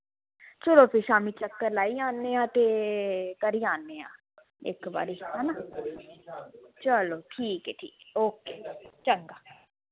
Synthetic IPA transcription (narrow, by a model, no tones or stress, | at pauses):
t͡ʃəloːpʰɪʃaːmiːt͡ʃəkːəɾlaːiːaːnːeːãːt̪eːkəɾiːaːnːeːã̰ː | ɪ̰kba̰ːɾiɦɛːnaː | t͡ʃəloːʈʰiːkɛːʈʰiːkːoːkeːt͡ʃəŋɡaː